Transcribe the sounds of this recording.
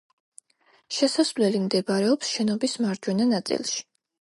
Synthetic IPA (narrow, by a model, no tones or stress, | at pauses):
ʃɛsasvlɛlimd̪ɛbɾɛɔpsʃɛnɔbismaɾd͡ʒwɛnanat̪sʼḭlˠʃi̥